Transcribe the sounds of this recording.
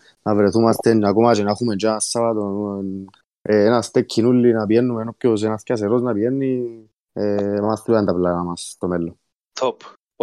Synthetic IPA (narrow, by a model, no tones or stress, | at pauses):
navɾeθumast̪ennakomat͡ʃɛnaxumend͡ʒasːaβat̪o | nast̪ekʰːinulːinapjɛnːumenopjos̬ɛnaθkʲas̬eɾoznapijɛnːi | mast̪ɾuant̪aplanamast̪omɛlːo | t̪ʰop